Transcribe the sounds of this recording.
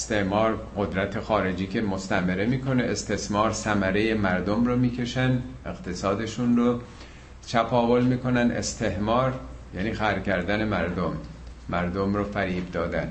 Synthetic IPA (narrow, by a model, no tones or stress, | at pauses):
est̪ehmɒːɾɢo̞d̪ɾæt̪ʰe̞xɒːɾe̞d͡ʒiːkʰe̞most̪æmeɾemiːkʰo̞ne̞ʔest̪e̞smɒːɾsæmæɾeje̞mæɾd̪omromiːcʰe̞ʃænd̪e̞ɣ̥t̪ʰe̞sɒːd̪e̞ʃunro | t͡ʃʰæpʰɒːvo̞lmiːkʰo̞næne̞̰st̪ʰe̞hmɒːɾjæniːxæɾcæɾd̪æne̞mæɾd̪omː | æɾd̪omroːfæɾiːbd̪ɒːd̪æn